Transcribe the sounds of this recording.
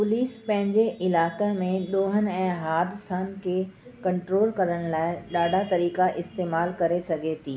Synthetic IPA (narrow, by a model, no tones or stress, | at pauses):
pʊliːspɐ̃ɦɪ̃ɲd͡ʑeʔɪlaːkemẽɗoːɦən̆ɛ̃ːɦaːd̪ɪsan̆kʰeː | kɐ̃ɳʈɾoːlkɐɾəɽ̃laːɪɗaːɖʱat̪ɐɾiːkaʔɪst̪eːmaːlkɐɾesɐɡʱet̪ʰiː